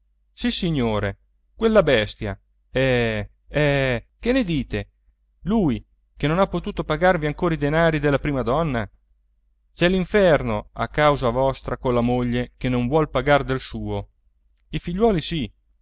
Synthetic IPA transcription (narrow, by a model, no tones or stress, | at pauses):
sisːiɲːoːɾe | kwelːabɛst̪ja̰ | ɛ | ɛkenːed̪iːt̪e | luj | kenonapːot̪uːt̪opaɡarviaŋkoːɾaid̪enaːɾid̪elːapɾiːmad̪ɔnːa | t͡ʃɛliɱfɛrnoa̰kːawzavɔst̪ɾakonlamoʎːekenoɱvwɔlpaɡard̪elsuːo | ifiʎːwɔːlisi